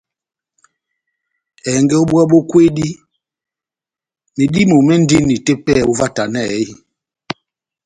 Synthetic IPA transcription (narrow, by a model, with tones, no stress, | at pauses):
ɛ˨ŋɡɛ˦o˦ɓwɛ˦ɓo˦kwe˦di˦ | me˨di˦mo˨mɛ˦n̩˦di˦nːi˨te˦pɛ˦˨o˦va˦ta˨nɛ˦˨i˦